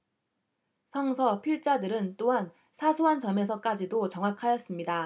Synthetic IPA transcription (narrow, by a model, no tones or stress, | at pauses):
sʰʌŋsʰʌpʰiɭt͡ɕ͈adɯɾɯnt͈oɦan | sʰasʰuɦant͡ɕʌme̞sʰʌk͈ad͡ʑidot͡ɕʌŋwakʰajʌs͈ɯmɲida